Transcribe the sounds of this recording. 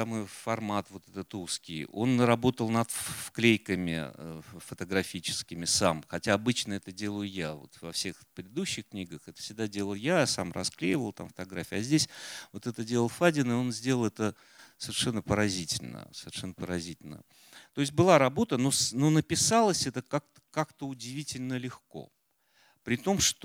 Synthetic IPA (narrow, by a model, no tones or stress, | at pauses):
amojfɐrmat̪vo̞t̪ɛt̪ət̪uskʲijo̞nrɐbo̞t̪əlˠnɐt̪fklʲejkəmʲɪ̰fət̪əɡɾɐfʲit͡ɕɪ̥skʲɪmʲɪsamxɐtʲaːbɨt͡ɕnəɛt̪ədʲe̞lˠəjʊjavo̞̰t̪vɐfsʲe̞xpɾʲɪd̪d̪uɕːɪxknʲiɡəxɛt̪ə̥fsʲɪɡ̚d̪adʲe̞lˠəlˠjasa̰mrɐ̰sklʲḛjɪvəlˠt̪a̰mfə̥t̪aɡɾafʲɐzʲdʲesʲvo̞t̪ɛt̪ədʲelˠəlˠfadʲɪnɨo̞nzʲdʲe̞ləlˠɛt̪ə | səvʲɪrʂɛnːəpəɾɐzʲitʲɪlʲnə̰səvʲɪrʂɛnːəpəɾɐzʲitʲɪlʲnə̰ | t̪o̞ɪs̬ʲt̚ʲbɨlˠaɾɐbo̞t̪əno̞snonəpʲɪsalˠəsʲɛt̪əkak̚t̪ə̥kakt̪əʊdʲɪvʲitʲɪlʲnəlʲɪxko̞̰ | pɾʲɪt̪o̞mʂt̪